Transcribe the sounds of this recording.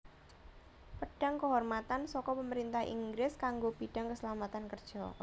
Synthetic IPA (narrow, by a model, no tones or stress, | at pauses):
pəɖ̥a̤ŋkəɦɔrmat̪ansɔkɔpəməɾint̪ahḭŋɡɾɪskaŋɡopiɖ̥a̤ŋkəsəlamat̪ankərd̥ʒ̥ɔ